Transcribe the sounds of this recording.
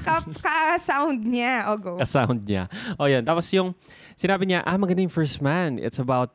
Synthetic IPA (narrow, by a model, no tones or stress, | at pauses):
kɐkɐsawnd̪̚ɲaʔoɡokɐsawnd̪̚ɲa̰ʔojant̪aːposjʊŋ | sɪnaːbɪɲaʔamɐɡɐnd̪ajʊ̃ŋfɛɹst̪manɪ̰t̪sɐbaʊt̪̚